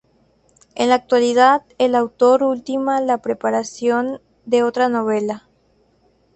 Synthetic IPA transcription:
ḛnlaːk̚t̪waliðaðelawt̪o̞ɾult̪imalapɾe̞paɾasjo̞n | d̪e̞ot̪ɾano̞β̞ela

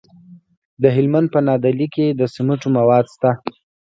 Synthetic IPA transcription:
d̪əɦɪlmand̪̚pənɑd̪aliked̪əsɪmuʈomawɑd̪st̪a

